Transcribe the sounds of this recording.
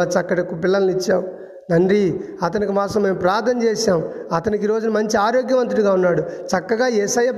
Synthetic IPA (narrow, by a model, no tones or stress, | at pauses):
ɐt͡ʃɐkːɐʈikːupilːɐnɐnit͡ʃːaːu | nɐɳɖɾi | ɐt̪ɐnikimaːsɐmːe̞ːmpɾaːɾt̪ʰɐnɐt͡ʃɛːʃaːm | ɐt̪ɐnikiɾo̞ːd͡ʒunɐmɐɲt͡ʃiaːɾoːɡjɐmɐnt̪ɾuɽiɡaːunːaːɽut͡ʃɐkːɐɡaːesɐjːɐp